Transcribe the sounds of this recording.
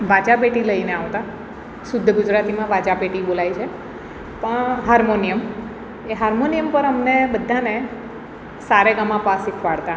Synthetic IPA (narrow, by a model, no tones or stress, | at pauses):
bʱad͡ʒabeʈiləineaʋt̪a | sʊd̪ʱːəɡʊd͡ʒɾat̪imãbad͡ʒabeʈibolajt͡ʃʰe | pəɳɦaɾmonijəm | eɦaɾmonijəmpəɾəmnebəd̪ʱːane | saɾeɡəmãpasikʰʋaɽt̪a